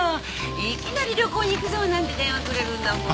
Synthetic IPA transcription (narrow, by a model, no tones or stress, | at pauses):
ikʲinaɾʲiɾʲo̞ko̞ːɲ̟iːkɯ̟zoːnãnd̪ed̪ẽ̞ɰ̃akɯɾeɾɯ̟̃nd̪amõ